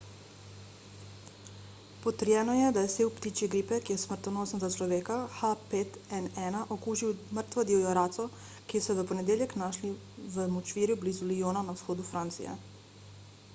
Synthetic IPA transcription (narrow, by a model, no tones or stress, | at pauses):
pɔt̪əɾjɛːnɔjɛd̪ajɛseːwpt̪iːt͡ʃiɡɾiːpɛkijɛsmərt̪ɔnoːsənzat͡ʃlɔʋeːkaxapeːt̪ɛnɛːnaʔokuːʒiwmərɾt̪ʋad̪iɔjɔɾaːt̪sɔ | kisɔʋəpɔnɛd̪eːljɛknaʃli | ʋəmɔt͡ʃʋiːɾjublizulijoːnanawsxoːd̪ufɾant̪sḭjɛ̰